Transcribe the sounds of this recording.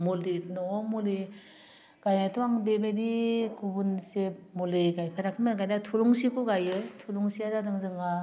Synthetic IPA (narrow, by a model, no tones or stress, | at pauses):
muldinɔmule | ɡ̥ajatʰuaŋbebedikʰubunsemulɯɡajpʰaɾakʰɯmaɡajdatʰuluŋsikʰuɡajɯtʰuluŋsiazadɯŋzɯŋa